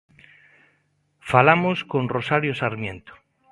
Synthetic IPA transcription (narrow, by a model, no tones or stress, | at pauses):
falamoskõnrosaɾjosaɾmjẽnt̪o̥